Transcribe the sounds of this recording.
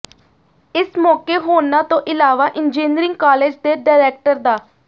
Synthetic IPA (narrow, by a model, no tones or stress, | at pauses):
ɪsmɔːkeːɦoːnãːt̪õːʔɪlaːʋaːʔɪnd͡ʒeːnɾɪ̃ŋɡkaːleːd͡ʒd̪eːɖaːɪɾɛːk̚ʈəɾd̪aː